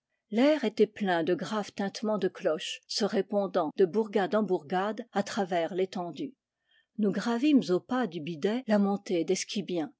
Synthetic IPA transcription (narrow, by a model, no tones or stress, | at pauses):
lɛʁet̪ɛplɛ̃d̪əɡʁavt̪ɛ̃t̪mɑ̃d̪əklɔʃsəʁepɔ̃d̪ɑ̃d̪əbuʁɡad̪ɑ̃buʁɡad̪at̪χavɛʁlet̪ɑ̃d̪y | nuɡʁavimzopad̪ybid̪ɛlamɔ̃t̪ed̪ɛskʲibjɛ̃